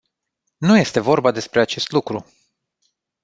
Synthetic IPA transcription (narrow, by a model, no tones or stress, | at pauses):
nuje̞st̪e̞vo̞rbad̪e̞spɾeat͡ʃe̞st̪lukɾu